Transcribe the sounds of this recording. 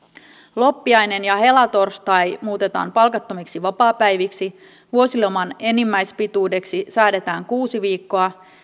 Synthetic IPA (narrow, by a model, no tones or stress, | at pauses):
lo̞pːiɑjne̞njɑɦe̞lɑt̪o̞rst̪ɑjmuːt̪e̞t̪ɑ̰ːmpɑlkɑt̪ːo̞miksiʋɑpɑːpæjʋiksi | ʋuo̞silomɑne̞nimːæjspit̪uːde̞ksisæːde̞t̪æːŋkuːsiʋiːkːo̞ɑ